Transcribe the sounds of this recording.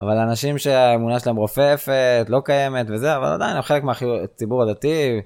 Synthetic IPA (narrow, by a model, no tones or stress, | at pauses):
avalanaʃimʃe̞aemunaʃ̬elaemʁo̞fefet̪lo̞kaje̞me̞t̪ve̞zeava̰la̰d̪a̰jinemχe̞le̞kmeaχit͡sibuʁad̪at̪i